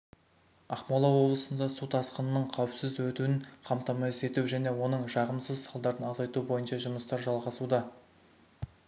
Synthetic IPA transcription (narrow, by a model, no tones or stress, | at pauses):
ɑχmɑlˠɑwo̞blˠəsənd̪ɑsut̪ɑsqənənəɴqʰæwɘpsɪzwɵt̪uɪnqʰɑmt̪ɑmɑese̞t̪uwʒæne̞wo̞nəɴʒɑʁəmsəzsɑlˠd̪ɑɾənɑzɑjt̪ubo̞jənʃɑʒʊməst̪ɑɾʒɑlˠʁɑsud̪ɑ